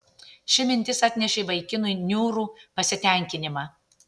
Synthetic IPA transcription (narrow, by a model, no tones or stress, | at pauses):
ʃʲɪmʲɪnʲt̪ʲɪsɐt̪ʲnʲɛʃʲeːʋɐɪkʲɪnʊɪnʲuːɾuːpɐsʲɪt̪ʲɛˑŋʲkʲɪnʲɪmɑː